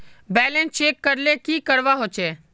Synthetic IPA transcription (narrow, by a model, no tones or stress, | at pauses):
bɛːlẽnt͡ʃeːkːəɾleːkiːkəɾʋaɦoːt͡ʃʰeː